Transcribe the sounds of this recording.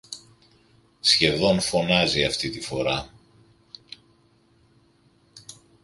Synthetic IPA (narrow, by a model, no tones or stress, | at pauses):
sçe̞ðo̞nfo̞nɐziɐft̪it̪ifo̞̰ɾɐ